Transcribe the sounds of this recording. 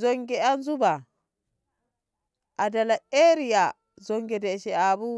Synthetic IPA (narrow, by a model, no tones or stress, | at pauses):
zɔŋɡɛanzuba | ʔadalaeɾija | zɔŋɡɛdɛʃɛabu